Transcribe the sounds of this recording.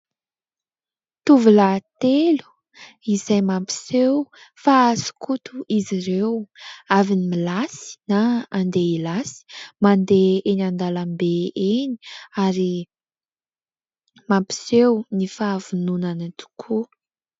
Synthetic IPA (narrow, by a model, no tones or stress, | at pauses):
t̪uvulat̪elu̥ | izajmampi̥sewfaːzu̥kut̪uiziɾewavinimilasi̥naːnd̪eilasi̥mand̪eenand̪alambeeni̥aɾi | mampi̥sewnifaːv̥ununanat̪u̥kʰu